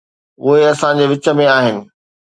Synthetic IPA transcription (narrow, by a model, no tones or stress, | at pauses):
ʊɦeɐsãd͡ʑeʋɪt͡ɕə̆mẽaːɦɪnɪ̆